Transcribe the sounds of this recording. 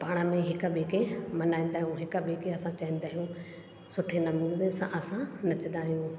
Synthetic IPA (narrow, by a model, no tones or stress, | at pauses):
paːɽ̃əmẽɦɪkəɓeːkemɐnaːĩnd̪aːɦijũɦɪkəɓeːkeɐsãt͡ɕaĩːn̆d̪aːɦijũ | sʊʈʰenɐmuːlnesã̰ʔɐsãnɐt͡ɕə̃nd̪aːɦijũ